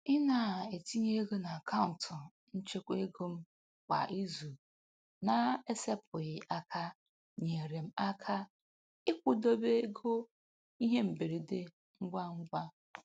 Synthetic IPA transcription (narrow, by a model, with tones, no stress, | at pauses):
ɪ˦na˨e˨ti˦ɲe˦ɡo˦na˨a˨kʰa˦ʊ˨n˨tʰʊ˨ | n̩˦t͡ʃe˦kʷe˦ɡo˦m̩˦ | kʷa̰˨ʔi˦zu˨ | na˨e˦se˦pʰʊ˨ɣɪ˨ʔa˦kʰa˦ | ɲe˨ɾe˨m̩˦a˦kʰa˦ | ɪ˦kʷʊ˦do˦be˦ɡo˦ | i˦ɦe˦m̩˨be˨ɾe˨de˦ | ŋ̩˦ɡ͡bʷa˦ŋ̩˦ɡʷa˦